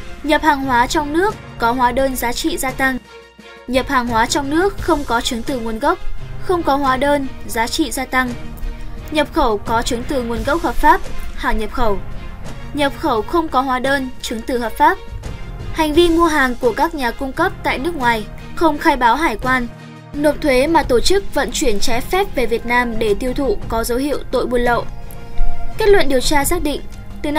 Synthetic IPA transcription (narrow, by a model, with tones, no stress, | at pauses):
ɲə˨˩p̚haː˨˩ŋhwaː˨˦t͡ɕɔ˧wŋ͡mnɨ˦˥əkːɔ˨˦ɦwaː˨˦ɗəː˧nzaː˨˦t͡ɕḭ˧˨zaː˧t̪a˧ŋ | ɲə˨˩p̚haː˨˩ŋɦwaː˨˦t͡ɕɔ˧wŋ͡mnɨ˦˥ək̚xə˧wŋ͡mkɔ˨˦t͡ɕɨ˨˦ŋt̪ɨ˨˩ŋu˨˩ənɣə˦˥wk͡p̚xə˧wŋ͡mkɔ˨˦ɦwaː˨˦ɗəː˧nzaː˨˦t͡ɕḭ˧˨zaː˧t̪a˧ŋ | ɲə˨˩p̚xə˧˩wkɔ˨˦t͡ɕɨ˨˦ŋt̪ɨ˨˩ŋu˨˩ənɣə˦˥wk͡p̚həː˨˩p̚faː˦˥p̚ha̰ː˧˩ɲə˨˩p̚xə˧˩w | ɲə˨˩p̚xə˧˩wxə˧wŋ͡mkɔ˨˦ɦwaː˨˦ɗəː˧nt͡ɕɨ˨˦ŋt̪ɨ˨˩həː˨˩p̚faː˦˥p̚ha˨˩jŋ̟vi˧mu˧əɦaː˨˩ŋku˧˩əkaː˦˥k̚ɲaː˨˩kʊ˧ŋ͡mkə˦˥p̚t̪a̰ː˧˨jnɨ˦˥ək̚ŋwaː˨˩j | xə˧wŋ͡mxaː˧jɓaː˨˦wɦaː˧˩jkwaː˧n | no˨˩t̚t̪ʰwe˨˦maː˨˩t̪o˧˩t͡ɕɨ˦˥k̚və̰˧˨nt͡ɕwi˧˩ənt͡ɕɛ˨˦fɛ˦˥p̚ve˨˩vi˨˩ət̚naː˧mɗe˧˩t̪i˧əwt̪ʰṵ˧˨kɔ˨˦zə˨˦whḭ˧˨əwt̪o̰˧˨jɓu˧˩ənlə̰˧˨ | ke˦˥t̚lwə̰˧˨nɗi˨˩əwt͡ɕaː˧saː˦˥k̚ɗḭ̈˧˨ŋ̟ | t̪ɨ˨˩